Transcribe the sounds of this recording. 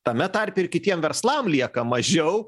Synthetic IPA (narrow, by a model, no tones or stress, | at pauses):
t̪ɐmʲɛt̪ɐɾʲpʲɪɪrkʲɪt̪ʲiɛmʋʲɛɾslˠɐmlʲiɛkɐmɐʒʲɛʊ